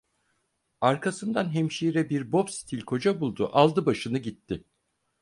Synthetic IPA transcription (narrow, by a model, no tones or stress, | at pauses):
aɾkʰasɯnd̪anɦemʃiɾɛbiɾbo̞psi̥t̪ʰilʲkʰo̞d͡ʒabulˠd̪uʔalˠd̪ɯbaʃɯnɯɟit̪ʰːɪ